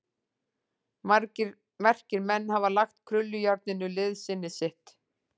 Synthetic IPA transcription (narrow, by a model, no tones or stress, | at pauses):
mɛr̥cɪɾmɛnːhavalaxt̪kʰɾʏlːʏjaɾt̪̚nɪnːʏlɪðsɪnːɪsɪht̪